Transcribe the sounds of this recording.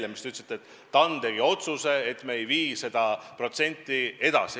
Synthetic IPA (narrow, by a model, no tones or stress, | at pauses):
emist̪yt̪set̪ːˑet̪ːɑnd̪̥e̞ɡ̥io̞t̪suse̞et̪ːˑmeːjviːse̞d̪̥ɑpro̞t̪se̞nʲt̪ːˑie̞d̪̥ɑ̰si